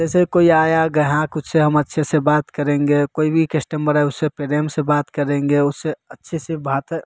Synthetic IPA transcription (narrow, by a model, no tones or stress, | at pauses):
d͡ʒɛsekoiaːjaɡəɦãkʊt̪seɦəmɐtːʃʰesebaːt̪kəɾẽːŋɡekoːibʱikesʈəmbəɾɦɛʊssepeɾeːmsebaːt̪kəɾẽːŋɡeʊsseɐtːʃʰesebʱaːt̪